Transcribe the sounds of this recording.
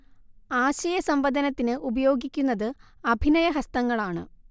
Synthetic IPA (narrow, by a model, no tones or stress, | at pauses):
aːɕɐjɐsɐmbɐd̪ʱɐnɐt̪ːinɨʔubɐjo̞ːɡʱikʲːunːɐðɨɐbʱinɐjɐɦɐst̪ɐŋːɐɭaːɳɨ